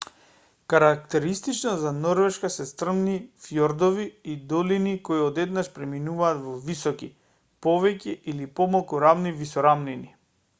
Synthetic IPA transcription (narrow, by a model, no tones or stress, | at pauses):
kaɾak̚t̪ɛɾist̪it͡ʃnɔzanɔɾvɛʃkasɛst̪r̩mnifjɔɾd̪ɔviid̪ɔlinikoiɔd̪ɛd̪naʃpɾɛminuvaːt̪vɔvisɔki | pɔvɛcɛʔilipɔmalˠkuɾamnivisɔɾamnini